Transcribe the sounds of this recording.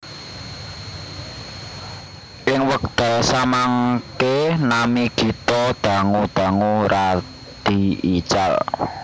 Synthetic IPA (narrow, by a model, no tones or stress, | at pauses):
ʔɪŋwək̚d̪̥asamaŋkenamiɡ̥i̤t̪ɔd̪̥a̤ŋud̪̥a̤ŋuɾa | d̪̥i̤i̥t͡ʃal